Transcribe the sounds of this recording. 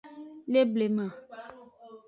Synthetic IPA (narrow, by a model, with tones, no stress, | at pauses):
le˦ble˨mã˨